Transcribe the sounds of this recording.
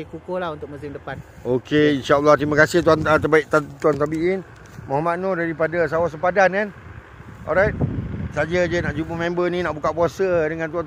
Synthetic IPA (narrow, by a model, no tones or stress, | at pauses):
ikukolaɦunt̪ʊk̚musɪmdəpan | okʰeinʃaəlːaht̪ɾimakasɪht̪uant̪əbaɪk̚t̪at̪uant̪abiʔɪn | mɔɦamat̪̚nodaɾipadas̬awas̬əpadankan | ɔ̰ɾajt̪̚sad͡ʒəd͡ʒənaʔd͡ʒupəmɛ̃mbənĩnaʔbukaʔpuasədəŋant̪ua